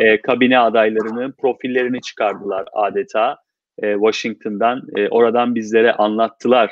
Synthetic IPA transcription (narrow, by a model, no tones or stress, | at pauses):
ɛːkʰabinɛad̪ajlˠaɾɯnɯpɾo̞filʲːe̞ɾinit͡ʃʰɯ̥kʰaɾd̪ɯlˠa̰ɾa̰ːd̪et̪ʰaː | ɛːvaʃiŋk̚t̪ʰɯnd̪anɛːʔo̞ɾad̪anbizlʲe̞ɾɛʔanlˠat̪ʰːɯlˠaɾ̥